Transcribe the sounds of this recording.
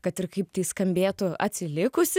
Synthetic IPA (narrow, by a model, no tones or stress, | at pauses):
kɐt̪ɪɾkɐɪpt̪ʲɐɪskɐmʲbʲeːt̪ʊɐ̰t̪ʲsʲɪlʲɪkʊsʲ